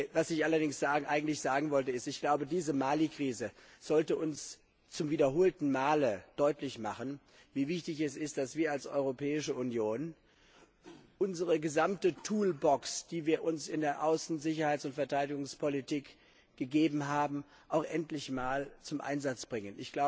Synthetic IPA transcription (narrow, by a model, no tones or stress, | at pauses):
vasɪçʔalɐdɪŋsz̥aːɡʔaɪɡŋ̩tlɪçz̥aːɡŋ̩vɔltəɪstɪçɡ̥laʊbədiːzəmaːlikʁ̥iːzəz̥ɔltəʔʊns | t͡sʊmviːdɐɦoːltn̩maːləd̥ɔʏtlɪçmaχən | viːvɪçtɪçɛsɪst̚d̥asv̥iːɐalsʔɔ̰ʏʁopʰɛːɪʃəʔunjoːn | ʔʊnzəʁəɡəzamtətʰuːlbɔksd̥iːviːɐʔʊnsɪndeːɐʔaʊsn̩zɪçɐhaɪtsʊntfɛɐtʰaɪdɪɡʊŋspʰolitʰiːk | ɡ̥əɡeːbm̩ɦaːbm̩ | ʔaʊxʔɛntlɪçmaːlt͡sʊmʔa̰ɪnzat͡sb̥ʁɪŋənʔɪ̰çɡ̥laʊə